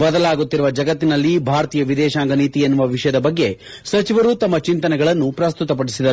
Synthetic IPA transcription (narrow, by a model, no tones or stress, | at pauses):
bɐd̪ɐlaːɡut̪ːiɾuʋɐd͡ʒɐɡɐt̪ːinɐlːibʱaːɾɐt̪iːjɐʋid̪ɛːʃaːŋɡɐniːt̪ienːuʋɐʋiʂɐjɐd̪ɐbɐɡːe̞ | sɐt͡ʃiʋɐɾut̪ɐmːɐt͡ʃin̪t̪ɐnɛɡɐɭɐnːupɾɐst̪ut̪ɐp̬ɐɽisid̪ɐ